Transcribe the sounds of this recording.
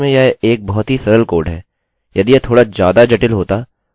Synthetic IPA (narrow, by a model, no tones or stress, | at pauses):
mẽjɛeːk̚bɔɦɔt̪ɦisɐɾəlkoːɾɖɦɛː | jɐd̪ijet̪ʰoːɽad͡ʒjaːd̪ad͡ʒɛʈɪlɦoːt̪a